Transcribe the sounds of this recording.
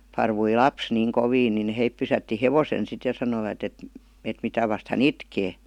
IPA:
pɑrʋui lɑps niːŋ koʋiːn nin heip pysætːi heʋosen sit jɑ sɑnoiʋɑt et et mitæ ʋɑst hæn itkeː

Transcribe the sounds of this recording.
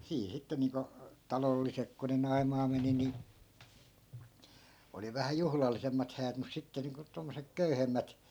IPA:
siː sitːe niːŋko tɑlolːisek ko ne nɑi̯mɑː meni ni oli ʋæhæ juhlɑlːisemːɑt hæːt mus sitːe niːŋko tomːosek køyhemːæt

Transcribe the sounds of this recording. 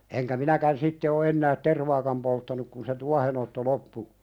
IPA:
eŋkæ minækæn sitːe o enːæːt terʋɑːkɑm poltːɑnuk kun se tuɑhenotːo lopːu

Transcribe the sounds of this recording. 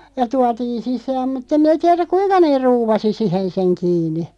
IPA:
jɑ tuɑtiːn̞ sisæːm mutː em mĭnæ tiɛræk kuinkɑ neːr̆ ruːʋɑsi sihen seŋ kiːni

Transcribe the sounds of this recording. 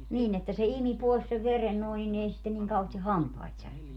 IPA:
niːn etːæ se imi poˑis seʋ ʋeren noˑin nin ei sitːen niŋ kɑuheːsti hɑmpɑit særkeny

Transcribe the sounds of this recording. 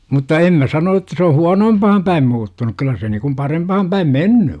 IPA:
mutːɑ em mæ sɑno etːæ se o huɑnoːmpɑhɑm pæim muːtːunuk kylˑæ se niŋkum pɑrempɑhɑm pæim menːy

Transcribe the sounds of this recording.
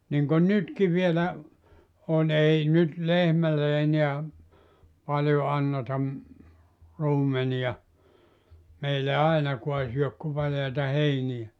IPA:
niŋkon nytki ʋielæ on ei nyt lehmælːe eniæ pɑljo ɑnːetɑ m ruːmenij̆ɑ meilːæ ɑinɑkuɑ syøk ku pɑljɑitɑ heinij̆æ

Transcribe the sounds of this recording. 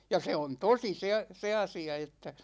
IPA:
jɑ se on tosi se ɑ se ɑsiɑ etːæ

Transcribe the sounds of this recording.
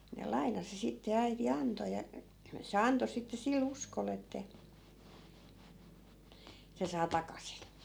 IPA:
ne lɑi̯nɑsi sitːe æiti ɑnto jɑ se ɑnto sitːe sil uskol etːæ se sɑː tɑkɑsin̞

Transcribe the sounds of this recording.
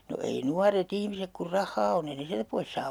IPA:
no ei nuɑret ihmisek kur rɑhːɑː onː ei ne siæltæ pois sɑː

